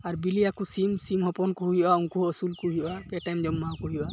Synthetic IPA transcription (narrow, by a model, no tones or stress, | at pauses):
aɾbiliakusimsimhɔpɔnkuɦijɔʔauŋkuəsulkuɦijɔʔapɛʈajmd͡ʒɔmːawkɔɦijɔʔa